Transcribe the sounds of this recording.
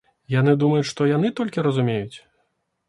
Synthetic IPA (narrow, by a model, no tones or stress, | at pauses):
jan̪ɨd̪umɐjut͡sʲʂt̪ɔjan̪ɨt̪ɔlʲkʲiɾɐzumʲejut͡sʲ